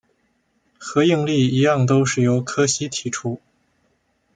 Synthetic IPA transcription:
xɤ˧˥i˥˧ŋli˥˩i˧˥jɑ˥˩ŋt̪o˥ʊʂɻ̩˥˩jo˧˥ʊkʰɤ˥ɕi˥t̪ʰi˧˥ʈ͡ʂʰu˥

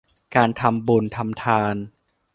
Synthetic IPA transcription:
kaː˧nt̪ʰa˧mbu˧nt̪ʰa˧mt̪ʰaː˧n

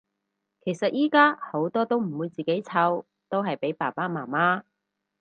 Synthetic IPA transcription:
kʰe˨˩jsɐ˨t̚jiː˥kaː˥ho˨˥wt̪ɔː˥t̪o˥wm̩˨˩wu˨˧jt͡siː˨˩ke˨˥jt͡sʰɐ˨˥w | t̪o˥wɦɐ˨jpe˨˥jpaː˨˩paː˥maː˨˩maː˥

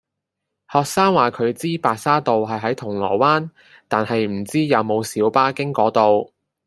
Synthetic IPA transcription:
hɔː˨k̚saː˥ŋwaː˨kʰɵ˨˧ɥt͡siː˥paː˨k̚saː˥t̪o˨wɦɐ˨jɦɐ˨˥jt̪ʰʊ˨˩ŋlɔ̰ː˨˩waː˥n | t̪aː˨nhɐ˨jm̩˨˩t͡siː˥jɐ˨˧wmo˨˧wsiː˨˥wpaː˥kɪ˥ŋkɔː˨˥t̪o˨w

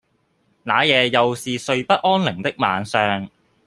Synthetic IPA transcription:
naː˨˥jɛː˨˧jɐ˨wsiː˨sɵ˧ɥpɐ˥t̚ʔɔː˥nlɪ˨˩ŋt̪ɪ˥k̚ma̰ː˨˧nsœː˨ŋ

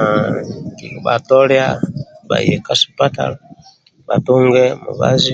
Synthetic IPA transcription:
ki˨ba˨tɔ˦lja˦ba̰˨jɛ˨ka˦si̥˨pa˦ta̰˨la˨ | ba˨to˦ŋɡɛ˦mṵ˨βa̰˦zi˦

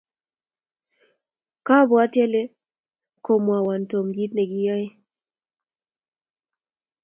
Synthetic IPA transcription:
ka˦bɔ˨a˦tjɛ˦le˦ | ko˨mwa˨wa˨nto˨mɡi˦t̚nɛ˨ɡɪ˦jɔ˦e˦

